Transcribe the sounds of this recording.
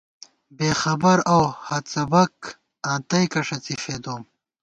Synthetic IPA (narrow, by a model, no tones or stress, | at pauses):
beːxɐbɐɾowhɐt̪t͡sɐbɐk | ãːt̪ɐjkɐʂɐt͡sifeːd̪oːm